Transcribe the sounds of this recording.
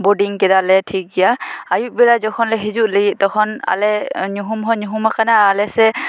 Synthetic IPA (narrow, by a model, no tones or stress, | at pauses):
bɔdiŋkɛdalɛtʰik̚ɡijaajuʔ̚bɛɹazɔkʰɔnlɛɦizuʔleɡitɔkʰɔna̰lɛɲuɦumɦɔɲuɦumakʰanaːlɛsɛ